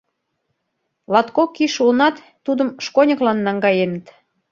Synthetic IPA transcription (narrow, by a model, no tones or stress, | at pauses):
lɑt̪kokːiʃulnɑt̪ːud̪ə̆mʃkonʲə̆klɑnːɑŋɡɑjenət̪